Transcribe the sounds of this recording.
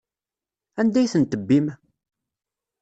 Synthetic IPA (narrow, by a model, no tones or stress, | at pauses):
ænd̪æjθənt̪əbːim